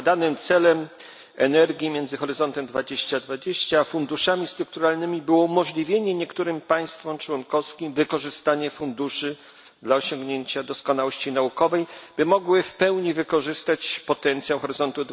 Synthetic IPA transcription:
d̪anɘmt̪sɛlɛm | ɛnɛɾɡʲjimʲjɛnzɘxɔɾɘzɔnt̪ɛmd̪vad͡ʑeɕt͡ɕad̪vad͡ʑeɕt͡ɕafund̪uʂamʲist̪ɾuk̚t̪uɾalnɘmʲibɘwɔumɔʐlʲivʲjeɲɛɲɛkt̪uɾɘmpaj̃st̪fɔmt͡ʂwɔnkɔskʲimvɘkɔʐɘst̪aɲɛfund̪uʂɘ | d̪laɔɕɔŋɡɲeɲt͡ɕad̪ɔskɔnawɔɕt͡ɕinaukɔvɛjb̥ɘmɔɡwɘfpɛwɲivɘkɔʐɘst̪at͡ɕpɔt̪ɛnt̪sʲjawxɔɾɘzɔnt̪ud̪

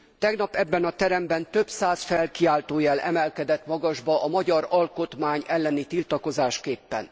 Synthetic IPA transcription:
t̪ɛɡnɒpɛbːɛnɒt̪ɛɾɛmbɛnt̪ø̞bsaːsfɛlkiaːlt̪oːjɛlʔɛ̰mɛlkɛd̪ɛt̪mɒɡɒʒbɒʔɒmɒɟɒɾɒlko̞t̪maːɲɛlːɛnit̪ilt̪ɒko̞zaːʃkeːpːɛ̰n

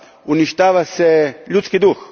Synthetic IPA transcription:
uniʃt̪aːʋasɛʎut̪skid̪ux

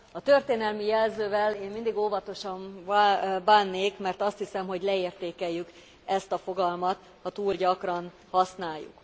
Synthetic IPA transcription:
ɒt̪ørt̪eːnɛlmijɛlzøːvɛleːmmind̪iɡoːvɒt̪o̞ʃɒɱ | baːnːeːkmɛrt̪ɒst̪hisɛmɦoɟlɛeːrt̪eːkɛjːyk | ɛst̪ɒfo̞ɡɒlmɒt̪ | hɒt̪uːlɟɒkrɒn | hɒsnaːjːṵk

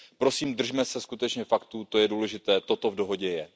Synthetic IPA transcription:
pɾo̞siːmd̪r̩ʒmɛsɛskut̪ɛt͡ʃɲɛfakt̪ut̪o̞jɛduːlɛʒɪt̪ɛːt̪o̞t̪o̞vdo̞ɦo̞ɟɛjɛ

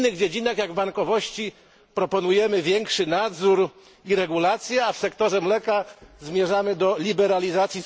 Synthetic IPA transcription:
nːɘɣd͡ʑed͡ʑinaxjaɡvbaŋkɔvɔɕt͡ɕi | pɾɔpɔnujɛmɘvʲjɛŋkʂɘnad̪zuɾ | iɾɛɡulat̪sʲjɛafsɛkt̪ɔʐɛmlɛkazmʲjɛʐamɘd̪ɔlʲibɛɾalʲizat̪sʲji

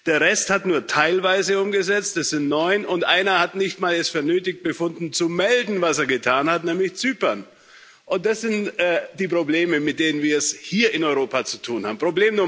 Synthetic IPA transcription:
d̥eːɐʁɛsthatnuːɐtʰaɪlvaɪzəʊmɡəzɛt͡stɛsz̥ɪntnɔʏnʔʊntʔa̰ɪnɐhatnɪçtmaːlɛsfɛɐnøːtɪç̚b̥əfʊndn̩t͡sumɛldn̩vaseːɐɡətʰaːnhatnɛːmlɪçt͡syːpɐn | ʔʊnt̚d̥asz̥ɪntʔɛd̥iːpʁ̥obleːməmɪt̚d̥eːnənviːɐɛshiːɐʔɪnɔʏʁ̞oːpat͡su̥tʰuːnha̰ːbm̩pʁ̥obleːmnuɐ

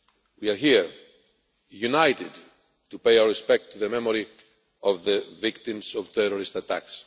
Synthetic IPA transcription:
wiaɾɦiɹ | junajt̪id | tupejawəɹispɛk̚t̪ʰːuðəmemoɾi | ovðəvikt̪imzɔv̥t̪ɛɾoɾist̪at̪a̰ks

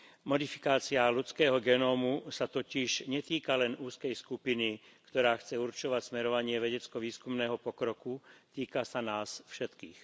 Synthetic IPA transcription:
mɔd̪ifi̥kaːt͡sialut͡skɛːɦɔɡɛnɔːmusat̪ɔciʒɲɛt̪iːkalɛnuːskɛjskupini | kt̪ɔɾaːxt͡sɛuɾt͡ʃɔʋacsmɛɾɔʋaɲɪɛʋɛɟɛt͡skɔʋiːskumnɛːɦɔpɔkɾɔkut̪iːkasanaːsfʃɛt̪kiːx

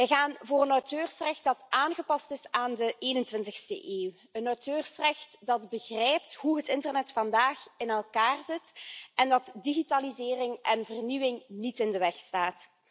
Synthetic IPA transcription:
ɛɣaːnvoːrənɔwtøːrsrɛxt̚dɑtaːnɣəpɑstɪsaːndəeːnəntwɪntəxstə̰ʔeːw | ənɔwtøːrsrɛxtdɑdbəɣrɛjp̚tɦuɦətɪntərnɛtfɑndaːxɪnɛlˠkaːrzɪtɛndɑtdiɣitalizɪːrɪŋʔɛnvərniwɪŋnitɪndəʋɛxstaːt

